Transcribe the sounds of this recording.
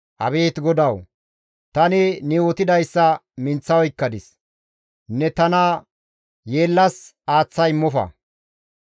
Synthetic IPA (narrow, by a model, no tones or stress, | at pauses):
ʔɐ̰βe̞ːt̪ɡɔd̪ɐw | t̪ɐnɪnɪwɔt̪ɪd̪ɐjsːɐmɪnt͡sːɐwɔɪkːɐd̪ɪs | nɛt̪ɐnɐ | jeːlːɐs | aːt͡sːɐjmːɔfɐ̰